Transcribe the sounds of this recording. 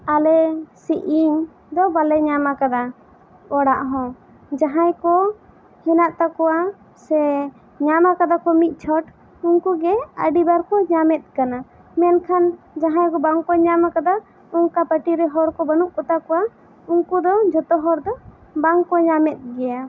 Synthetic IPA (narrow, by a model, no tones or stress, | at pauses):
alɛsiʔiɲ | d̪ɔbalɛɲamakad̪a | ɔɽaʔɦɔ̃ | d͡ʒaɦajkɔ | hɛnaʔt̪akɔwa | sɛ | ɲamakad̪akɔmit̪̚ˀt͡ʃʰɔʈ | uŋkuɡɛəɖibaɾkɔɲamɛt̪̚kana | mɛnkʰan | d͡ʒaɦãjkɔbaŋkɔɲamakad̪a | uŋkapəʈiɾɛɦɔɾkɔbənuʔkɔt̪akɔwa | uŋkud̪ɔd͡ʒɔt̪ɔɦɔɾd̪ɔ | baŋkɔɲamɛt̪̚ˀɡɛja